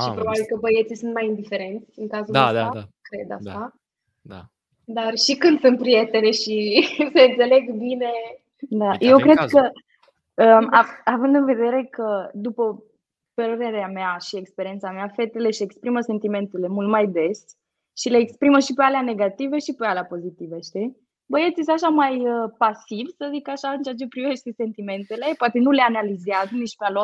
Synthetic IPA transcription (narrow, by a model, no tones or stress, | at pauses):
ʃipɾo̞babilkəbəjet̪sisunt̪̚majind̪ife̞ɾe̞nt̪sʲɨŋkazuaaaakɾe̞d̪a̰sa | d̪a | d̪arʃikɨnd̪sɨnt̪̚pɾije̞t̪eneʃiseɨnt̪se̞le̞ɡbine̞ | d̪aje̞wkɾe̞d̪kə | əmaavɨnd̪ɨnve̞d̪e̞ɾe̞kəd̪upə | pəɾəɾe̞ɾeameaʃiekspe̞ɾie̞nt̪sameafe̞t̪ele̞ʃiekspɾiməse̞nt̪ime̞nt̪ele̞mult̪majd̪e̞s | ʃile̞ːkspɾiməʃipealeane̞ɡat̪iveʃipealeapo̞zit̪iveʃt̪i | bəjet̪sisaʃamajəpasivsəzikaʃaɨnt͡ʃeat͡ʃe̞pɾive̞ʃt̪ese̞nt̪ime̞nt̪e̞le̞poat̪e̞nuleanalizeazənit͡ʃpealo